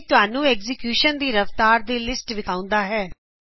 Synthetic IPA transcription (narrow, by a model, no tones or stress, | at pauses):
t̪ʊɦaːnũːɛːɡzɪkjuːʃənd̪iːɾəft̪aːɾd̪eːlɪsʈʋɪkʰaːʊ̃nd̪aːɦɛː